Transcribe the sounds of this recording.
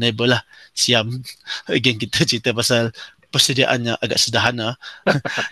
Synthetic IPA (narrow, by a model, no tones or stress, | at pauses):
nebəlah | siamɡɛnkit̪at͡ʃit̪əpasalpərsədiaʔa̰nɲaʔaɡa̰ʔsədaɦana